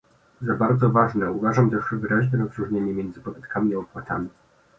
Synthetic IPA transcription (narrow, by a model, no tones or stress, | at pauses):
zabaɾd̪zɔvaʐnɛuvaʐamt̪ɛʂɘvɘɾaʑnɛɾɔzɾuʐɲeɲɛmjeɛnd̪zɘpɔd̪at̪kʰamʲiaɔpwat̪amʲi